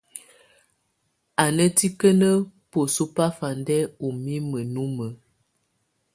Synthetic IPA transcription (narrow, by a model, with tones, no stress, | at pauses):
a˨nə˦ti˦kə˦nə˦po˨su˦pa˦fa˨ndɛ˦u˨mi˦mə˨nu˦mə˨˦